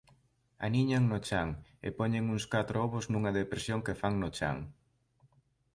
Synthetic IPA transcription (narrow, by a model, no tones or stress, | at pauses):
a̰niɲaŋnʊt͡ʃaŋḛpɔɲeŋuŋskat̪ɾooβʊznũŋɐðepɾesjoŋkefaŋnʊt͡ʃa̰ŋ